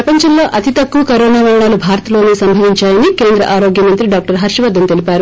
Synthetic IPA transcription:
pɾɐpɐɲt͡ʃɐmlo̞ːʔɐt̪it̪ɐkːuɐkɐɾoːnaːʋɐɾɐɳaːlubʱaːɾɐt̪ɐlo̞ːnisɐmbʱɐʋiɲt͡ʃaːjɐnike̞ːnd̪ɾɐ̰ʔaːɾo̞ːɡjɐmɐnt̪ɾiɖaːk̚ʈɐɾɦɐɾʂɐʋɐd̪ːɐmt̪e̞lipaːɾu

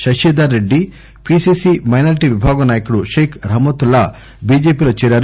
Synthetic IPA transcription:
ʃɐʃeːd̪aɾːeɖːi | pisisimɐjnɐːɾiʈiʋibʱaːɡɐnaːjɐkuɽuʃeːkʰɾɐmot̪ulːa | biːd͡ʒeːpiːlɐt͡ʃiːɾaːɾ

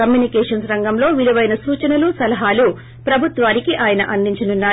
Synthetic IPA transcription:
ɐmjuːnikɛːʂɐnsɾɐŋɡɐmlo̞ːʋiluʋɐjnɐsuːt͡ʃɐnɐlusɐlɐɦaːlu | pɾɐbʱut̪ʋaːnikiʔaːjɐnɐ̰ʔɐnd̪iɲt͡ʃɐnunːaː

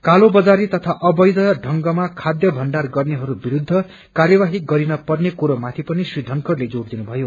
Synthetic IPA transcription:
kalobʌd͡zaɾit̪ʌt̪ʰaʔʌbʌjd̪ʌɖʱʌŋɡʌmakʰad̪jʌbʱʌnɖarɡʌrneɦʌɾubiɾud̪ʱːʌ | karjʌwaɦiɡʌɾinʌpʌrnekuɾomat̪ʰipʌnisrid̪ʱʌŋkʌrled͡zoɾd̪inubʱʌjo

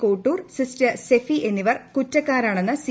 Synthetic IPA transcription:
koːʈːuːrsistɐsefiʔe̞nːiʋɐrkutːɐkːaːɾaːɳenːɨsi

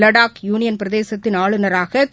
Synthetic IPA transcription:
lɐɽaːkjuːnɪjɐnpɪɾɐðeːsɐt̪ːɪnaːɭɯnɐɾaːɣɐ

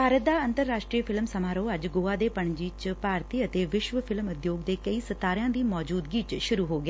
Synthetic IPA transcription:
bʱaːɾət̪̚d̪aːənt̪əɾːaːʃʈɾiːpʰɪlmsəmaːɾoːəd͡ʒɡoːaːd̪eːpəɳd͡ʒiːt͡ʃpaːɾt̪iːət̪eːʋɪʃʋəpʰɪlmʊd̪joːɡd̪eːkəiːsət̪ːaːɾɪjãːd̪iːmɔːd͡ʒuːd̪ɡiːt͡ʃʃʊɾuːɦoːɡɪeː

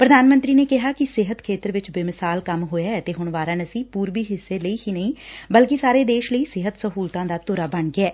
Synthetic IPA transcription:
pɾəd̪aːnmə̃nt̪ɾiːneːkɪɦaːkɪsɪɦət̪kʰeːt̪əɾʋɪt͡ʃbeːmɪsaːlkəmɦoːjaːɛt̪eːɦʊɳʋaːɾãːnəsĩːpuːɾʋiːɦɪsːeːləiːɦiːnəĩːbəlkɪsaːɾeːd̪eːʃləiːsɪɦət̪səɦuːlt̪ãːd̪aːt̪ʊɾaːbəɳɡɪɛː

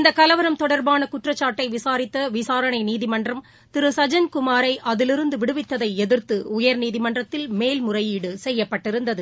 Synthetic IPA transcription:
ɪnd̪ɐkɐlɐʋɐɾɐmt̪ɔɽɐɾbaːnɐkʊʈrɐt͡ʃːaːʈːɐɪʋɪsaːɾɪt̪ːɐʋɪsaːɾɐɳɐɪniːðɪmɐndrɐm | t̪ɪɾɯsɐd͡ʒɐnkʊmaːɾɐɪʔɐðɪlɪɾɯnd̪ɯʋɪɽɯʋɪt̪ːɐðɐɪɛðɪɾt̪ɯʊjɐɾniːðɪmɐndrɐt̪ːɪlmeːlmʊrɐjiːɽɯsɛjːɐpːɐʈːɪɾɯnd̪ɐðɯ

